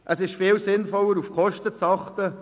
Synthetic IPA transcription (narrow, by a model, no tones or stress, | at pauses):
ʔəsɪʃfɪːlsɪnfɔləɾufkʰɔʃtət͡sɑχtə